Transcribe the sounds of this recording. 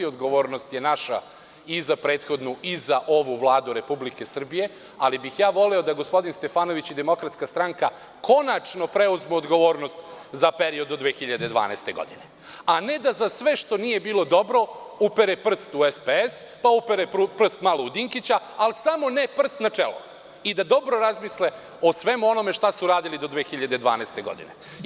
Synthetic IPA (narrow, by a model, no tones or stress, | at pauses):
iod̪ɡo̞ʋo̞ːɾnost̪jenaʃa̰ | izapɾeːt̪xo̞d̪nuʔizaʔo̞ʋuʋlˠaːd̪uɾe̞publike̞sr̩bije̞ | alibixjaːʋo̞lɛo̞d̪aɡospo̞d̪inst̪e̞faːno̞ʋit͡ɕid̪emo̞kɾat̪skast̪ɾaŋka | ko̞nat͡ʂno̞pɾeuzmeod̪ɡo̞ʋo̞ːɾno̞st̪zapeɾio̞d̪od̪ʋeːxiʎad̪e̞d̪ʋa̰ːnaest̪e̞ɡo̰d̪ine | ane̞d̪azasʋe̞ʂt̪o̞nije̞biːlˠo̞d̪o̞bɾo̞upeɾepr̩st̪uespees | paupeɾepupr̩st̪maloud̪iŋkit͡ɕa | alisamo̞nepr̩st̪nat͡ʂḛlo̰ | id̪ad̪o̞bɾo̞ɾazmisle | o̞sʋe̞muo̞no̞me̞ʂt̪asuɾaːd̪ilid̪o̞d̪ʋeːxiʎad̪ed̪ʋa̰ːnɛst̪e̞ɡo̞̰d̪ḭnḛ